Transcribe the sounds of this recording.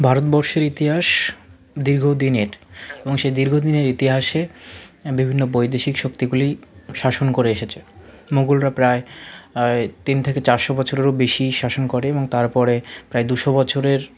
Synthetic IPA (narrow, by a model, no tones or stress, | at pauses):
bʱaɾot̪̚bɔɾʃeɾit̪iɦaʃ | d̪iɾɡʱod̪ineɾeboŋʃed̪iɾɡʱod̪ineɾit̪iɦaʃe | bibʱinːobojd̪eʃikʃokt̪iɡuliʃaʃonkoɾeeʃet͡ɕʰe | moɡulɾapɾae | t̪int̪ʰeket͡ɕaɾʃobɔt͡ɕʰoɾeɾobeʃiʃaʃonkoɾeeboŋt̪aɾpɔɾepɾaed̪uʃobɔt͡ɕʰoɾeɾ